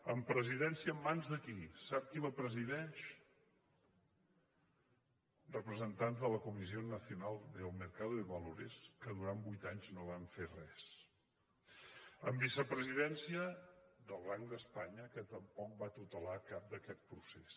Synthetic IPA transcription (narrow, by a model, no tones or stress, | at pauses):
əmpɾəziðɛnsiəːmːanzðəkisap̚kiβəpɾəziðɛʃ | rrəpɾəzənt̪anzðələkumizionəsiunalˠd̪əlˠməɾkaðuiβəloɾḛskəðuɾambujt̪aɲznoβ̞aɱferɛs | əmbisəpɾəziðɛnsiəðəlˠβaŋd̪əspaɲəkət̪əmpɔk̚bat̪ut̪əlakap̚d̪əkɛt̪̚pɾuses